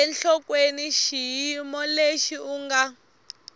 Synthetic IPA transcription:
ɛnɬɔkweniʃijimɔleʃiuŋɡa

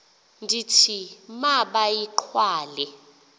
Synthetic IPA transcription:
ndʱitʰimaɓajiǃʰwaːlɛ

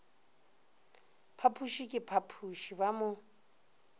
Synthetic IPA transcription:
pʰapʰuʃikʼɪpʰapʰuʃiβamʊ

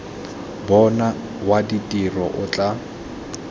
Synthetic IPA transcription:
bɔna | waditʼirɔʔʊt͡ɬʼa

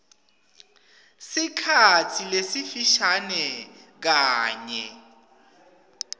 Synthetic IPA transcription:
sikʰat͡sʰilesifiʃanɛk̬aːɲɛ̰

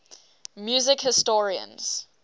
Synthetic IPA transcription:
mjuːzɪkhɪstɔɹiə̰̃nz̥

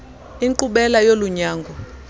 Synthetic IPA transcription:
iŋǃuɓɛlajoluɲaːŋɡʱɔ

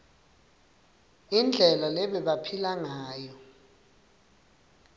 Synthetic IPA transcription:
ind͡ɮʱɛlalɛɓɛɓapʰilaŋaːjɔ

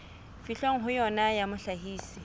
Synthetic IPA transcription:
fiɬoŋ̩ɦʊjɔnajamʊɬaɦiːsi̥

